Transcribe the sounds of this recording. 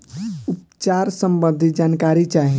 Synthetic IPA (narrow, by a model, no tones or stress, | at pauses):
up | t͡ʃaɾsəmbənd̪ʱid͡ʒankaɾit͡ʃaɦĩ